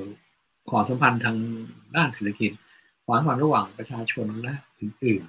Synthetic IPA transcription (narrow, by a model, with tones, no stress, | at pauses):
kʰɔː˨˩˦sa˨˦mpʰa˧nt̪ʰaː˧ŋdaː˥˩nseː˨˩t̪ʰa˧ki˨˩t̪̚ | kʰwaː˨˦ŋkʰwaː˨˧˩nɾa˧waː˨˩ŋpɾa˧t͡ɕʰaː˧t͡ɕʰo˧n˧lɛ˦˥ʔɯː˨˩nʔɯː˨˩n